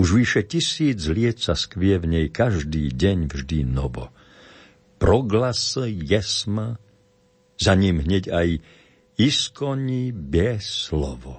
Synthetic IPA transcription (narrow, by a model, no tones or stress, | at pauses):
uʒʋiʃɛcisiːd͡zlɪɛt̪saskʋiɛvɲɛjkaʒd̪iːɟɛɲvʒd̪inɔʋɔ̰ | pɾɔɡlasjɛsma | zaɲimɦɲɛɟaj | iskɔɲibɛslɔʋɔ